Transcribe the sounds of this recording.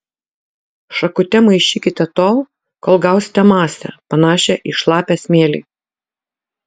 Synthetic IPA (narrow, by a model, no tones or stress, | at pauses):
ʃɐkʊt̪ʲɛmɐɪʃʲiːkʲɪt̪ʲɛt̪oːlˠ | koːlˠɡɑˑʊsʲɪ̥t̪ʲɛmɑːsʲɛ̰pɐnɑːʃʲɛʔɪʃlˠɑːpʲæːsʲmʲeːlʲɪ̰ː